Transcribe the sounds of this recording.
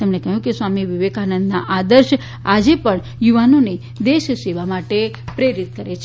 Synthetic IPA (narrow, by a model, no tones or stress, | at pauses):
t̪emnekəɦjũkesʋamiʋiʋekanənd̪naʔad̪əɾʃ | ad͡ʒepəɳ | juʋanone | d̪eʃseʋamaʈe | pɾeɾit̪̚kəɾet͡ʃʰ